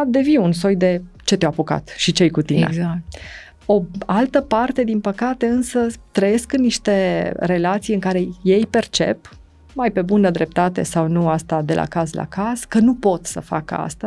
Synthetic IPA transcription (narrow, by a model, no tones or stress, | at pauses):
d̪e̞viuns̬o̞jd̪e̞ | t͡ʃe̞t̪ewapuka̰t̪ʃit͡ʃejkut̪inḛ | o̞alt̪əpart̪e̞d̪inpəkat̪e̞ɨnsət̪ɾəje̞skɨnːiʃt̪e̞ɾe̞lat̪sijɨŋkaɾe̞je̞jpe̞rt͡ʃe̞̰p | majpe̞bunəd̪ɾe̞p̚t̪at̪e̞̰sawnuast̪ad̪e̞lʔa̰kazla̰kaz̥kənupo̞t̪sə̰fa̰kə̰a̰st̪a